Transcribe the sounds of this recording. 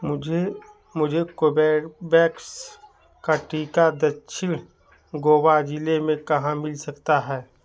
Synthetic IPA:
d͡ʒe | mʊd͡ʒʱekobɛːɾbɛːks | kaʈiːkad̪ɐtːʃʰɪɽ | ɡoːwad͡ʒɪlemẽkɐɦãmɪlsɐkt̪aɦɛː

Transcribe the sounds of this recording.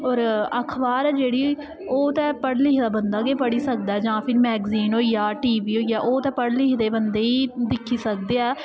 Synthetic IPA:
ɔːɾəkʰbaːɾɛːd͡ʒeːɽiː | oːt̪ɛ̃ːpəɽlɪːkd̪aːbənd̪aːɡeːp̬əɽiːsək̚d̪aɛːd͡ʒãːpʰɪɾmɛːɡziːnoːijaːʈiːʋiːɦoːijaːʔoːt̪ɛ̃ːpəɽlɪkd̪eːbənd̪eːiːd̪ɪkʰːiːsək̚d̪eːɛː

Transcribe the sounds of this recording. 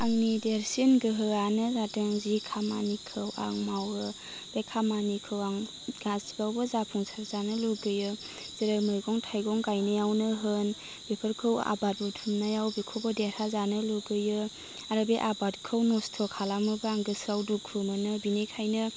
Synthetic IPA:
aŋnideɾsinɡɯɦɯɣanɯzatɯŋzikʰama̰nikʰɯwa̰ŋmawɯ | b̥ekʰamanikʰɯwaŋ | ɡ̥asibawbɯzapʰuŋsʰaɾzanɯluɡɯjɯ | z̥eɾamɯjɡɔŋtʰajɡɔŋɡajnɯjawnɯɦɯn | b̥epʰɯɾkʰɯwa̰bat̚utʰumnajawbekʰowbɔdeɾhazanɯluɡɯjɯ | aɾɯbeʔabat̚kʰɯwnɔstʰɔkʰalamɯbɯaŋɡɯsawdukʰumɯnɯbinekʰajnɯ

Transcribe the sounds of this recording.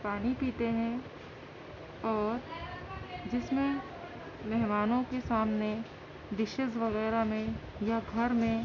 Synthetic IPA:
paːnipiːt̪eɦɛ̃ | ɔːɾ | d͡ʒɪsmẽ | mɛɦmaːnõkesaːmne | d̪ɪʃɪʃʋɐɣɛːɾamẽ | jaɡʱɐɾmẽ

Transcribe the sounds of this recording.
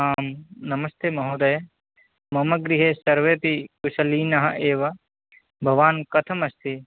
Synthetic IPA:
aːmnɐmɐst̪ʰemɐɦoːd̪ɐjɐ | mɐmɐɡɾiɦesɐɾʋeːpikuʃɐliːnɐɦɐ̰ʔeːʋɐ | bʱɐʋaːnkɐt̪ʰɐmɐst̪ʰi

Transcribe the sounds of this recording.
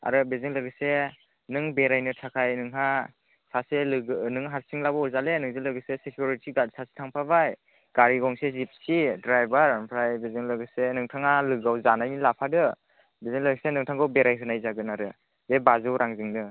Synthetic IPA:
a̰ɾɯbeziŋlɯɡɯse | nɯŋbeɾajnɯtʰakʰajnɯŋɦa | saselɯɡnɯŋɦaɾsiŋlabɔzalenɯŋzɯlɯɡɯsesekʰjuɾitʰiɡasʰasi̥tʰaŋpʰabaj | ɡ̥aɾiɡɔŋsezip̚sidɾajbaɾpʰɾajbezɯŋlɯɡɯsenɯŋtʰaŋalɯɡawzanajnilapʰadɯ | bezɯŋlɯɡisenɯŋtʰaŋɡɯwbeɾajɦɯnajzaɡɯnaɾɯ | bebazɯwɾʔaŋzɯŋnɯ

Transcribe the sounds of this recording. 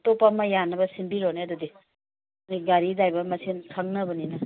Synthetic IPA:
topamɐjanɐbɐsinbiɾoneɐdudi | niɡaɾidajbɐmɐsinkʰaŋnɐbɐninɐ

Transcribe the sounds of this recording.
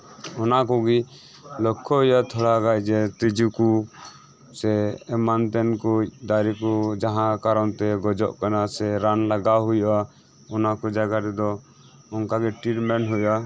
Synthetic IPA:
ɔnak̬uɡi | lɔkʰːɔɦujat̪ʰɔɽaɡajd͡ʒɛt̪id͡ʒuku | sɛːmant̪ɛnkud̪aɾikud͡ʒaɦãkaɾɔnt̪ɛɡɔd͡ʒɔ̰ʔkanasɛɾanlaɡaɦujʔa | ɔnakɔd͡ʒaɡaɾɛd̪ɔ | ɔŋkaɡɛʈiɾmɛnɦuja

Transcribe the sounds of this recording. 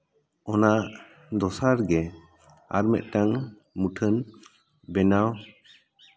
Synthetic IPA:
ɔnaʔ | d̪ɔsaɾɡɛ | a̰ɾmɛ̰t̪̚ʈaŋ | muʈʰən | bɛnaw

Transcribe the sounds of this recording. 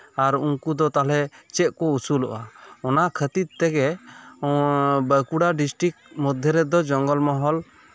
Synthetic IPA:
aɾuŋkud̪ɔt̪alɛt͡ʃɛʔ̪̚kɔusulɔ̰ʔaɔnakʰət̪it̪t̪ɛɡɛ | bəkuɽaɖisʈɾik̚mɔd̪ʱjɛɾɛd̪ɔd͡ʒɔŋɡɔlmɔɦɔl

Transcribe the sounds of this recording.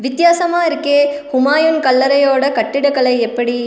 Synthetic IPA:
ʋɪt̪jaːsɐmaːɪɾɯkːeːhʊmaːjɯnkɐlːɐɾɐjoːɽɐkɐʈːɪɽɐɣɐɭɐɪɛpːɐɽi

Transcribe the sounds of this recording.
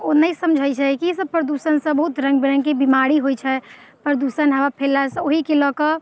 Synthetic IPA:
onəjsəmd͡ʒʱəjt͡ʃʰɛkiesəb̚pɾəd̪usənsə̃bəɦut̪ɾə̃ŋɡbiɾəŋɡkebimaɾiɦojt͡ʃʰɛ | pɾəd̪usənɦəʋapʰelaɾsə̃oɦikelɔkə

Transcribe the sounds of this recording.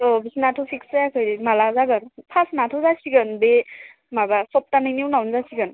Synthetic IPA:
ɔbisinatʰɔpʰikszajakʰɯjɾimalazaɡɯnpʰasnatʰɔzasiɡɯnbe | mabasɔp̚tanɯjniwnawnzasiɡɯn

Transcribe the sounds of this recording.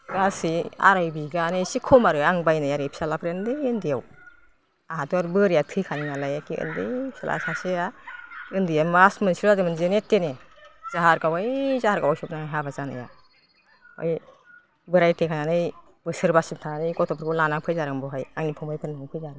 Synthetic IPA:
ɡasia̰ɾajbiɡanɯsikʰɔmaɾɯaŋbajnajaɾɯpʰi̥salapʰɾendɯjɯndijaw | aɦatuaɾbɯɾijatʰɯjkʰaniŋalajakiɯ̰ndɯjpʰisa̰lʔa̰saseaɯndɯjamasmɯnsiɾadɯmɯnzenetenezaɦaɾɡawajzahaɾɡawajsɔmnaŋajɦabazana̰ja̰ | ɔ̰j | bɯɾajtekʰananɯj | bɯsɯɾbasintʰananɯjkɔtʰɔpʰɯɾkɔlanaŋpʰɯjzaɾaŋbɔɦajaŋnipʰɔmajpʰɯɾnaŋpʰɯjzaɾa

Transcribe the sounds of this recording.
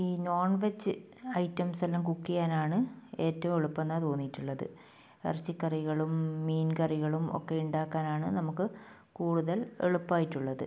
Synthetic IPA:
iːno̞ːrɳʋet͡ɕːɨ | ɐjtːɐmsɐlːɐmkukːijaːnaːɳɨe̞ːtːɐʋumeɭupːenːaːt̪o̞ːnːijiʈːuɭːɐðɨ̰ | ɐ̰rt͡ɕːikːɐriɣɐɭumːiːnkɐriɣɐɭumo̞̰kːe̞uɳɖaːkːaːnaːɳɨnɐmukːɨ | kuːɽuðɐlḛɭupːaːjitːuɭːɐðɨ

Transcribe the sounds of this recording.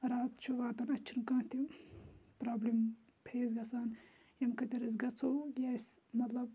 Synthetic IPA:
ɾaːt̪t͡ʃʰuʋaːt̪ɐnɐt͡ʃʰinkãːt̪ʰi | pɾaːblim | pʰeːzɡɐsaːn | jɐmkɐt̪eɾɐs̬ɡɐt͡sʰojasmɐt̪lɐb̚

